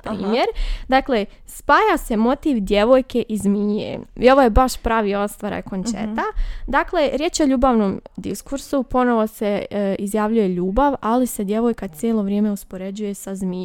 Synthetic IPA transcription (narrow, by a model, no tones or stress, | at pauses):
pɾḭːmje̞ɾd̪aːkle̞spaːjase̞mo̞t̪iʋd̪je̞ʋo̞jke̞ʔizmiːḛio̞ʋojebaʃpɾaːʋiːo̞st̪ʋaɾa̰jkont͡ʃḛt̪ad̪akle̞ɾje̞ːt͡ʃo̞ʎuːbaʋnomd̪iskuɾsupo̞no̞ʋo̞seizjaːʋʎuje̞ʎuːbaʋalise̞d̪je̞ʋo̞jkat̪sjeːlˠo̞ʋɾʲjeːme̞uspo̞ɾe̞d͡ʑuje̞sazmi